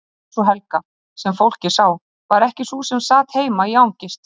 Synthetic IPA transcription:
sɔɦɛlka | sɛmfowl̥cɪ̥saːw | vaɾɛhcɪsusɛmsaːt̪heːjmaiawɲcɪst̪

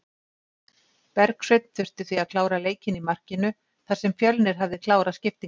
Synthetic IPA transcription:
pɛɾksvejt̪n̥θʏr̥t̪ʏ̥θiaðkʰlaːwɾaleːjcɪnimar̥cɪnʏ | θḁsɛmfjœlnɪɾ̥ɦavðɪkʰlaːwɾascɪft̪i

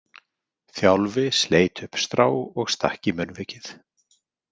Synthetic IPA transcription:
θjawlvɪsleːjt̪ʏhpst̪ɾaːwɔɣst̪a̰hcimœnvɪːcɪθ

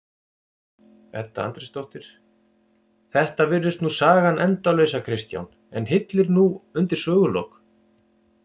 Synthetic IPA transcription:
ɛ̰ht̪aa̰nt̪ɾɛst̪owht̪ɪɾ̥ | θɛht̪avɪɾðʏst̪nusaːɣanʔɛnt̪awlœɥsakʰɾɪst̪ja̰wn | ɛnɦɪt̪lɪɾnuʏnt̪ɪɾ̥sœːɣʏlowk

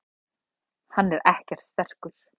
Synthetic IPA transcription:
hanːɛɾɛhcɛr̥t̪st̪ɛr̥kʏɾ̥

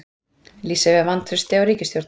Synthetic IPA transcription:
liːsɛvɛðvant̪θɾʏst̪ɪawɾiːcɪst̪jowɾt̪

